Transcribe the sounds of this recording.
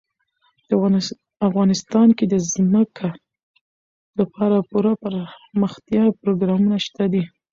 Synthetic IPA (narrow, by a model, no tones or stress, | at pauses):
d̪ | afɣɑnɪst̪ɑnked̪əzməkʰa | lapʰɑɾapuɾapəɾməxt̪jɑpɾoɡɾɑmunaʃt̪ad̪i